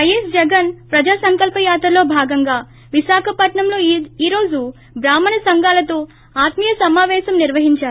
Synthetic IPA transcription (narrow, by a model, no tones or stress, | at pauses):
ʋɐjesd͡ʒɛɡɐnpɾɐd͡ʒaːsɐŋkɐlpɐjaːt̪ɾɐlo̞ːbʱaːɡɐŋɡaː | ʋiʃaːkʰɐpɐʈɳɐmlo̞ːiːɾo̞ːd͡ʒu | bɾaːmːɐnɐsɐŋɡaːlɐt̪oː | aːt̪mijɐsɐmaːʋɛːʃɐmniɾʋɐɦiɲt͡ʃaːɾu